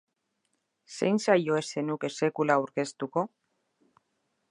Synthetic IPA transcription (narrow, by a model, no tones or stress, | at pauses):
sḛjnsajo̞e̞se̞nuke̞se̞kulauɾke̞st̪uko̞